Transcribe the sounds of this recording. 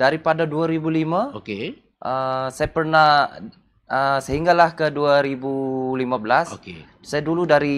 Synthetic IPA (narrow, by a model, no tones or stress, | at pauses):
d̥aɾipadaduaɾibulimaoke | ʔəsajapərnah | əsəɦiŋɡalahkəduaɾibulimabəlaske | sajaduludaɾi